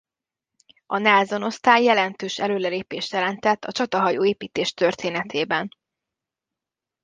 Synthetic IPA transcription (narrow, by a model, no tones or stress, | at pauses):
ɒnaːzo̞no̞st̪aːjːɛlɛnt̪øːʃɛløːlɛleːpeːʃt̪jɛlɛnt̪ɛt̪ːɒt͡ʃɒt̪ɒɦɒjoːeːpiːt̪eːʃt̪ørt̪ʰeːnɛt̪ʰeːbɛn